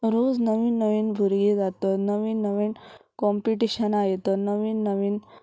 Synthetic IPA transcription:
ɾod͡znəʋiːnːəʋiːnbʱuɾɡid͡zat̪ɔnəʋiːnːəʋiːnkɔmpiʈiɕənaɦet̪ənəʋiːnːəʋiːn

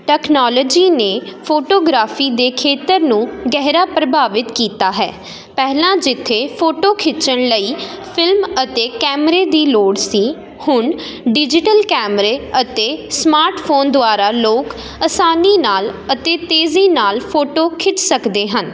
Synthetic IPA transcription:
ʈɛːknɔːloːd͡ʒiːneːpʰoːʈoːɡɾaːfʰiːd̪eːkʰeːt̪əɾnũːɡɛːɦɾaːpɾəbaːʋɪt̪kiːt̪aːɦɛ̰ː | pɛːlãːd͡ʒɪt̪ʰːeːpʰoːʈoːkʰɪt͡ʃəɳləiːpʰɪlmət̪eːkɛːmɾeːd̪iːloːɽsiː | hʊɳ | ɖɪd͡ʒɪʈəlkɛːmɾeːət̪eːsmaːɾʈpʰoːnd̪ʊaːɾaːloːk | əsaːniːnaːlət̪eːt̪eːziːnaːlpʰoːʈoːkʰɪt͡ʃsəkd̪eːɦən

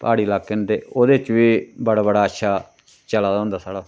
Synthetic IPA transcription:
pa̰ːɽiːlaːkːənd̪eːoːd̪eːt͡ʃʋiːbəɽaːbəɽaːətːʃʰaː | t͡ʃəlaːd̪ãːnd̪aːsaːɽaː

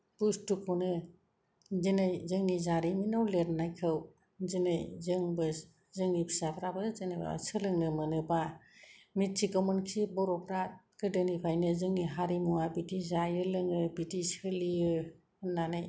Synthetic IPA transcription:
b̥ustukʰɔnɯ | zinɯjzɯŋnizaɾiminawleɾnajkʰɯw | zinɯjzɯŋbɯs | zɯŋnipʰi̥sapʰɾabɯzɯnɯba̰sɯlɯŋnɯmɯnɯba | mit̚sikɔmɯnkʰibɔɾɔpʰɾat | ɡ̥ɯdɯnipʰajnɯzɯŋniɦaɾimuabitizajɯlɯŋɯbitisɯlijɯ | nanɯj

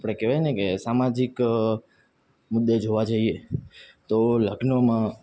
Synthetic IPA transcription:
pɽ̃ekeʋajnekesamad͡ʒik | mud̪ːed͡ʒoʋad͡ʒaiet̪oləɡnəmã

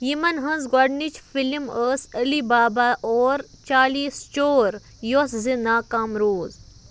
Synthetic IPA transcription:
jimɐnɦɐ̃nzɡɔɖnit͡ʃfiliməːsəlibaːbaʔoːɾt͡ʃaːlist͡ʃoːɾ | joszinaːkaːmɾoːz

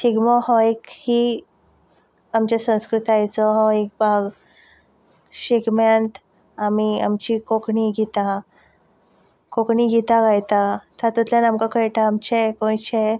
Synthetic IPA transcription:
ɕiɡmɔhɔekhi | amt͡ɕesə̃w̃skɾut̪ajt͡sɔɦɔek̚bʱaɡ | ɕeɡmjant̪ | amia̰mt͡ɕikokɳiɡit̪a | kokɳiɡit̪aɡajt̪at̪ʰat̪ut̪ljanamkakəjʈaːmt͡ɕekõjt͡ɕe

